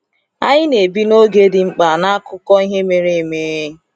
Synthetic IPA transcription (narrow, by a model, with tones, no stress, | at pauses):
a˦ɲɪ˦ne˨bi˦no˦ɡe˦dɪ˨ŋ͡m̩˦k͡pa˨na˦a˦kʊ˦kɔ˦i˦ɦe˦me˦ɾe˦˨me˦